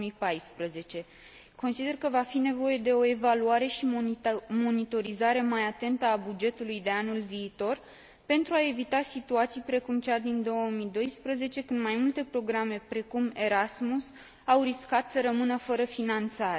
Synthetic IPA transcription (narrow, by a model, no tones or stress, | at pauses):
mipajspɾəze̞t͡ʃe̞ | konsid̪e̞rkəvafine̞vo̞je̞d̪e̞o̞e̞valuaɾe̞ʃimo̞nit̪o̞ɾizaɾe̞majat̪e̞nt̪əabud͡ʒe̞t̪ulujd̪e̞anulviːt̪o̞r | pe̞nt̪ɾuae̞vit̪asit̪uat̪sijpɾe̞kumt͡ʃad̪ind̪o̞wəmid̪o̞jspɾəze̞t͡ʃe̞kɨnd̪majmult̪e̞pɾo̞ɡɾame̞pɾe̞kume̞ɾasmus | awriskat̪səɾəmɨnəfəɾəfinant̪saɾe